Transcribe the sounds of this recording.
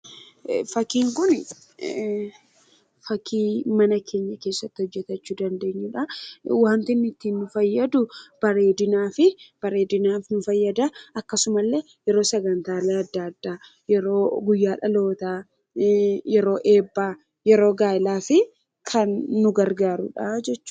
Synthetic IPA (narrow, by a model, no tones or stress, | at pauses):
fɐkiːŋkʊn | fɐkʰiːmɐnɐkʰe̞ːɲːɐke̞ːsːɐt̪ːɪhɔd͡ʒːɛt̪ɐt͡ʃːuːd̪ɐnd̪e̞ːɲːuːᶑɐwaːnt̪ɪnːɪt̪ːiːnːʊfɐjːɐd̪ʊb̥ɐɾe̞ːd̪ɪnaːfɪb̥ɐɾe̞ːd̪ɪnaːfnʊfɐjːɐd̪ɐɐkːɐsʊmɐlːeː | jɛɾo̞ːsɛɡɐnt̪aːleːɐd̪ːɐɐd̪ːaː | jɛɾo̞ːɡʊjːaːᶑɐlo̞ːt̪aː | jɛɾo̞ːʔeːbːaː | jɛɾo̞ːɡaːɪlaːfɪ | kʰɐnːʊɡɐɾɡaːɾʊ̰ᶑad͡ʒɛt͡ʃːʊ̥